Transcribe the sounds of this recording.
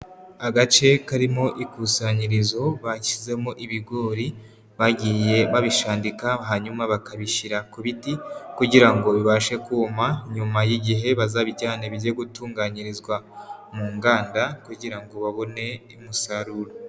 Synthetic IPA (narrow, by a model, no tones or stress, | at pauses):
aɡat͡ʃe̞kaɾimo̞ʔikusaɲiɾizo̞βaci̥ze̞moʔiβiɡo̞ːɾi | βaɟije̞βaβiʃaːndikaɦaɲumaβakaβiʃiɾakuβitikuɟiɾaŋɡo̞βiβaʃe̞kuːmaɲumajiɟiɦe̞βazaβiɟaːneβiɾjeɡutuːŋɡaɲiɾizɡwamuːŋɡaːndakuɟiɾaŋɡo̞βaβo̞ne̞imusaɾuɾo